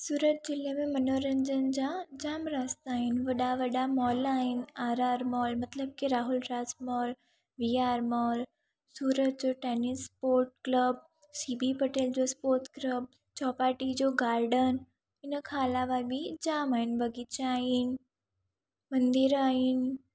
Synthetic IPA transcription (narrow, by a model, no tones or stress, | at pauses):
suːɾət̪̚d͡ʑɪlemẽmɐnoːɾə̃ɲd͡ʑənd͡ʑãd͡ʑaːmɾaːst̪aːɦɪnʋɐɗaʋɐɗamɔːlaːɦɪnaːɾaːɾmɔːlmɐt̪ləb̚kiɾaːɦʊlɾaːsmɔːl | ʋiaːɾmɔːl | suːɾət̪̚d͡ʑoːʈeːnɪspoːɾʈ̚kləb̚ | siːbipɐʈeːld͡ʑospoːɾt̪kləb̚ | t͡ɕɔːpaːɾʈid͡ʑoːɡaːɾɖən | ɪnəkʰaːlaʋabʱid͡ʑaːmaːɦɪnbʱɐɡʱit͡ɕaaːɦɪn | mɐ̃nd̪ɪɾaːɦɪn